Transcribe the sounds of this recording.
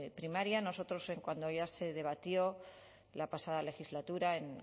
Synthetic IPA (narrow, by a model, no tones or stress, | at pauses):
pɾimaɾjano̞so̞t̪ɾo̞se̞ŋkwand̪o̞ʝase̞ðe̞β̞at̪jo̞ | lapasaðale̞xizlat̪uɾae̞ŋ